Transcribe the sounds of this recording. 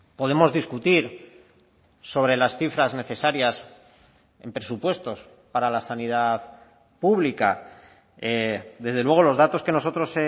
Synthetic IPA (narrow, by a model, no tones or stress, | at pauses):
po̞ðe̞mo̞zðiskut̪iɾ | so̞β̞ɾe̞lasθifɾazne̞θe̞saɾjas | e̞̰mpɾe̞supwe̞st̪o̞s | paɾalasanið̞að | puβlika̰ | ed̪e̞zðelwe̞ɣ̞o̞lo̞zðat̪o̞ske̞no̞so̞t̪ɾo̞se